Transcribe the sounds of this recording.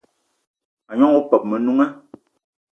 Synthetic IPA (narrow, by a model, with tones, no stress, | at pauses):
a˨ɲɔ˦ŋu˦pɛ˨p̚mɛ˨nu˦ŋa˦